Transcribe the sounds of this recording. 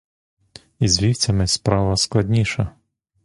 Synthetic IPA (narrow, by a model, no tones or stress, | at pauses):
izʋʲiwt͡sʲɐmɪspɾɑʋɐsklˠɐd̪ʲnʲiʃɐ